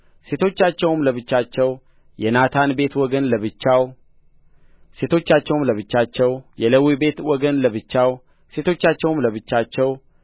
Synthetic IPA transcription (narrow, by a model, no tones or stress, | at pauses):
se̞t̪ʰo̞t͡ʃːat͡ʃːɛwɨmləβɨt͡ʃːat͡ʃːɛw | jɛnat̪ʰanbe̞t̪wɔɡənləβɨt͡ʃːaw | se̞t̪ʰo̞t͡ʃːat͡ʃːɛwɨmləβɨt͡ʃːat͡ʃːɛwjɛləwibe̞t̪wɔɡənləβɨt͡ʃːaw | se̞t̪ʰo̞t͡ʃːat͡ʃːɛwɨmləβɨt͡ʃːat͡ʃːɛw